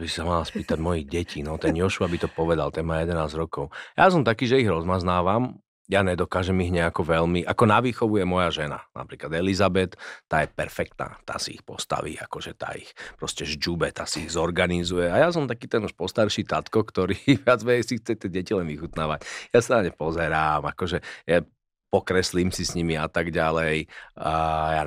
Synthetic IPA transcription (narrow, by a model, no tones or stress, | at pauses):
abisi̥samalaspiːt̪aɟmɔjiɣɟɛcʰinɔt̪ɛnjɔʃuabit̪ɔpɔʋɛd̪a̰lt̪ɛnmaːjɛd̪ɛnaːzɾɔkɔʊjaːs̬ɔmt̪akiːʒɛiɣɾɔzmaznaːʋam | jaːɲɛd̪ɔkaːʒɛmiɦɲɛakɔʋɛlmiʔakɔnaʋiːxɔʋujɛmɔjaʒɛna̰nʔa̰pɾiːklad̪ɛlizabɛt̪ːaːjɛpɛ̰ɾfɛk̚t̪na̰ːt̪a̰ːsḭḭxpɔst̪a̰ʋḭa̰kɔʒɛt̪a̰ːḭxpɾɔscɛʒd͡ʒubɛt̪a̰ːsiːɣzɔɾɡanizujɛajas̬ɔmt̪akiːt̪ɛnuʃpɔst̪aɾʃiːt̪at̪kɔkt̪ɔɾiːʋɪad͡zmɛɛsixt͡sɛt̪ɪɛɟɛcilɛnʋixut̪naːʋacjasanaɲɛpɔzɛɾaːmakɔʒɛja | pɔkɾɛslimsisɲimiat̪aɡɟalɛj | ja